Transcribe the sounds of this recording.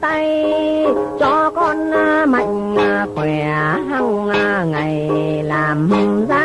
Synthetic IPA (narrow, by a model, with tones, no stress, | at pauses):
t̪a˧j | t͡ɕɔ˧kɔ˧nma̰˧˨jŋ̟˧xwɛ˨˧˩ɦa˧w | ŋa˨˩j | laː˨˩mhə˧ŋ͡mzaː˧